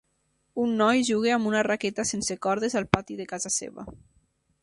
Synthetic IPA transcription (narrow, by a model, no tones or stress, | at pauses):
unːɔjʒuɣ̞eambunaraket̪asensekɔɾðezalˠpat̪iðekazasḛβa̰